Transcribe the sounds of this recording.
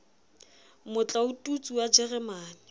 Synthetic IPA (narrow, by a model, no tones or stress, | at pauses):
mʊt͡ɬʼaʊtʼut͡sʼuwad͡ʒɛrɛmaːnɪ